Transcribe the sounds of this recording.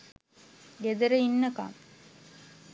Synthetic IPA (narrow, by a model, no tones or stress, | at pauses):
ɡed̪əɾəinːəka̰m